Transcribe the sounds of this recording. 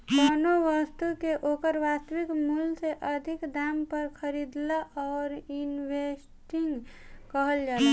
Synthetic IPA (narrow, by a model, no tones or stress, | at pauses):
kɔnoʋəst̪ukeʔoːkəɾʋast̪əʋikmulseʔəd̪ʱɪkd̪aːmpəɾkʰəɾid̪laʔɔːɾinʋes | ʈiŋɡ | kəɦəld͡ʒaːla